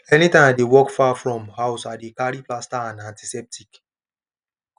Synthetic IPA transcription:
ɛnitãmdewɔkfafɹɔ̃mhaʊsadekaɾiplastaãnãnti̥sɛp̚tʰik

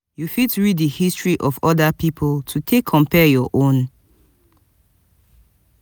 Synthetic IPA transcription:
jufitɹidihistɹiʔɔvɔdapipʰoltʰutʰekʰːɔ̃mpʰɛjɔʔõn

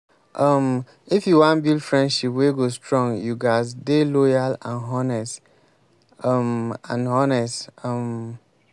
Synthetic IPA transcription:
ʔʌm | ifjuwãnbildfɹɛ̃ndʃipweɡostɹɔ̃ŋjuɡasdelɔjalãnɦɔnɛst | ʌmã̰nhɔnɛstʌm

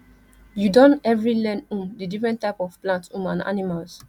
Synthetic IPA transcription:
judɔ̃nɛvɹilɛ̃nũmdidifɹɛ̃ntːaɪpɔfplãntũmãna̰nimals

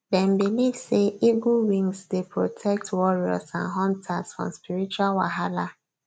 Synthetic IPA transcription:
dɛ̃m̩bilivseʔiɡuwĩŋsdepɹotʰɛk̚twɔɹiɔ̰sãnɦɔ̃ntʰasfɹɔ̰̃mspiɾit͡ʃualwaɦala

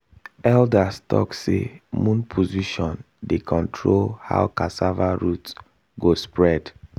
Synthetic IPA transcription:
ɛldastʰɔ̰ksḛmũnpʰoziʃɔ̃n | dekʰɔ̃ntʰɹolha̰wkasavaɹut | ɡospɹɛd

